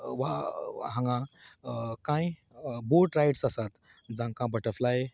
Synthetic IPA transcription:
ʋaɦãŋɡã | kãj | boʈɾajʈsəsat̪ | d͡zãŋkãbəʈəɾflaje

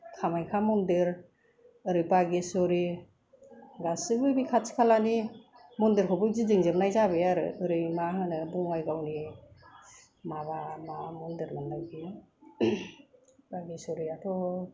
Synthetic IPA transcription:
tʰamajkʰamɔndiɾ | ɯɾɯjbaɡisɔɾi | ɡasɯbɯbikʰasʰi̥kʰalani | mɔndiɾkʰɔbɯzidiŋzɯmnajzaβɯjaɾɯ̰ɯɾɯjmaɦɯnɯbɔŋajɡawni | maβamamɔndiɾmandaɡi | baɡisɔɾiatʰɔ

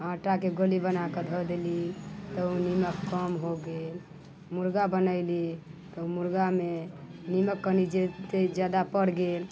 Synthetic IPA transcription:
ãʈakeɡəlibənakəd̪ʱɔd̪elit̪ɔuniməkːəmɦoɡel | muɾɡabənəɪlit̪əumuɾɡameniməkːənid͡ʒet̪ed͡ʒad̪apəɽɡel

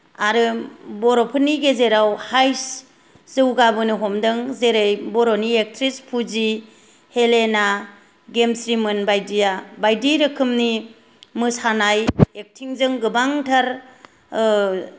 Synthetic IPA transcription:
aɾɯbɔɾopʰɯniɡezeɾawhajs | zɯwɡabɯnɯɦɔmdɯŋzeɾejbɔɾoniek̚tʰɾispʰuzi | helena | ɡemsɾimɯnbajdijabajdiɾɯkʰɯmni | mɯsanajek̚tʰiŋzɯŋɡɯbaŋtʰaɾ

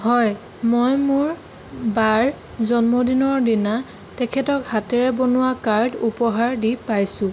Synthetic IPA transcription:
hɔj | mojmuɹ | baɹ | zɔnmodinɔɹdina | tɛkʰɛtɔkhatɛɹɛbonʊwakaɹdupɔɦaɹdipajsʊ̃

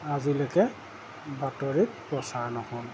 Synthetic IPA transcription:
azilɔkɛ | batɔɹit̚pɹɔsaɹnɔhɔl

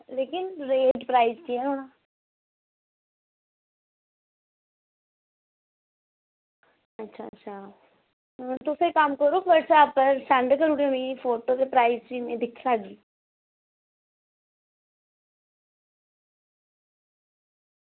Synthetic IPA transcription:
leːkɪnɾeːɖpɾaːɪzkiɛoːɽ̃a | ətːʃʰaətːʃʰa | t̪ʊsekəmkəɾubəɽsaːpəɾsaɳɖkəɾuɽẽmĩfoːʈod̪epɾaːɪzɾiːmẽd̪ɪkʰlaːɡd͡ʒiː

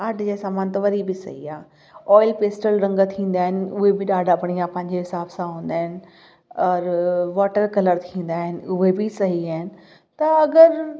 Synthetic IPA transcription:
aːɖʱd͡ʑeːsaːmaːnt̪ɐʋɐɾibɪsɐ̰ɦiaː | ɔːɪlpeːsʈəlɾɐ̃ŋɡt̪ʰĩːnd̪aːɦɪnɪ̆ʊɦebɪɗaːɖʱabɐɽ̃iaːpɐ̃ɦɪɲ̆d͡ʑeɦɪsaːbsãɦũːn̆d̪aːɦɪnɪ̆ | ɔːɾʋaːʈəɾkɐləɾt̪ʰĩːn̆d̪aːɦɪnɪ̆ʊɦebɪsɐɦiaːɦɪnɪ̆ | t̪ɐɐɡəɾ

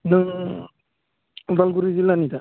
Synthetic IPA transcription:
nɯ | balɡuɾizilːanit̪a

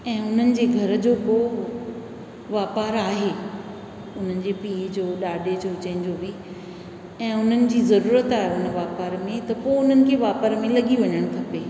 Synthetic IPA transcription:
ɛ̃ːʊn̤ənɪ̆d͡ʑeːɡʱɐɾ̆d͡ʑoːpoː | ʋaːpaːɾaːɦeː | ʊn̤ənɪ̆d͡ʑeːpiːd͡ʑoːɗaːɖʱet͡ɕʰot͡ɕə̃ɦɪn̆d͡ʑoːbɪ | ɛ̃ːʊn̤ənɪ̆d͡ʑiːzɐɾuːɾət̪aːɦeʊnəʋaːpaːɾmẽt̪ɐpoʊn̤ənɪ̆kʰeːʋaːpəɾmẽlɐɠiʋɐɲəɽ̃kʰɐpeː

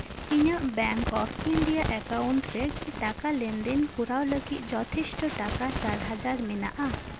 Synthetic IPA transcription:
iɲaʔbɛŋkɔpʰiɳɖijaʔɛkauɳʈɾekiʈakalend̪inkuɾawləɡit̪ˀd͡ʒɔt̪ʰisʈɔʈakat͡ʃaɾɦad͡ʒaɾmɛna̰ʔa

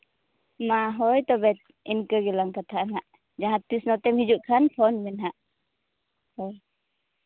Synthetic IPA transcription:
maɦɔjt̪ɔbɛt̪̚ | inkəɡilaŋkat̪aanaʔ | d͡ʒaɦat̪isnɔt̪ɛmhid͡ʒuʔkʰanpʰɔnbɛnɦaʔ | hɔj

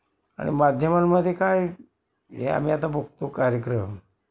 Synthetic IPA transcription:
a̰ɽ̃ḭmad̪ʱjəmanməd̪ʱːjekaj | ɦḛa̰miat̪aboɡ̚t̪okaɾjəkɾəm

